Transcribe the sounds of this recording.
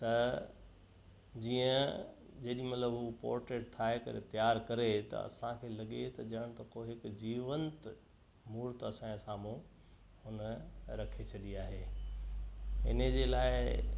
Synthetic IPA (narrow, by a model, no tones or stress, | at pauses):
t̪ɐ | d͡ʑiːə̃ | d͡ʑɐːɗĩmɐt̪ləbɦupo̰ːɾʈeːɖt̪ʰaːɦekɐ̰ɾḛt̪ɐjaːɾkɐɾet̪ɐ̰ɐ̰sãkʰeːlɐɠet̪ɐd͡ʑɐɽ̃t̪ɐkoːɦɪkd͡ʑiːʋənt̪ | muːɾt̪ɐsãːsaːmũ | ʊnɾɐkʰet͡ɕʰɐɗiaːɦeː | ɪ̰nəd͡ʑeːlaːɪ